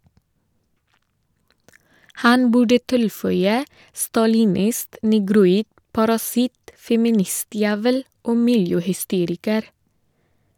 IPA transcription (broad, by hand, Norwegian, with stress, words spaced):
ˈhɑn ˈbʉɖə ˈtɪlˌfœʏə stɑlɪˈnɪst nɛɡɾʊˈiːd pɑɾɑˈsɪt fɛmɪˈnɪˌstjæːʋəl ˈoː ˈmɪljøːhʏˌsteːɾɪkəɾ